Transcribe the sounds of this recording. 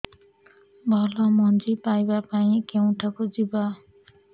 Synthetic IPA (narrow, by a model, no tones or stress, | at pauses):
bʱʌlʌmʌnd͡zipajbapaĩkew̃ʈʰakod͡ziba